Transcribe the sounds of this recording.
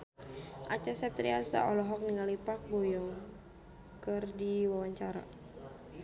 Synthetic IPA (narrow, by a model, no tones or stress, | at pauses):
ʔa̰t͡ʃasɛt̪ɾiasa̰ʔɔlɔɦɔk̚niŋalipak̚bɔjɔŋ | kɨrdiwawaɲt͡ʃaɾa̰